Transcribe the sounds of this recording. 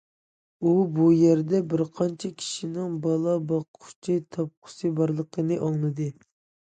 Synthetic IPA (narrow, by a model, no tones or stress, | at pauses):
ubujæɾd̪ɛbɪɾqʰɑnt͡ʃʰɛkʲʰi̥ʃinɪŋbɑlˠɑbɑqʰʊ̥t͡ʃʰit̪ʰɑp̚qʰʊ̥sɨbɑɾlˠəqʰənɨʔɑŋlˠɨd̪ɨ